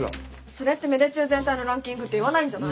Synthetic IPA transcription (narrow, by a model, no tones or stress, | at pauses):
so̞ɾet̪ːe̞me̞d̪et͡ɕɨːzent̪aino̞ɾãŋkʲĩŋɡɯ̟t̪ːeiβanaĩɲ̟d͡ʑana